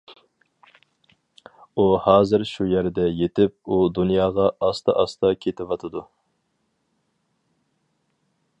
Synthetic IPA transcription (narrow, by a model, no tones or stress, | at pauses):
uhɑːzɨɾʃujæɾd̪ɛjet̪ɪp̚ud̪unjɑːʁɑɑst̪ʰɑʔɑst̪ɑkʲʰet̪ʰɪvɑt̪ʰɨd̪u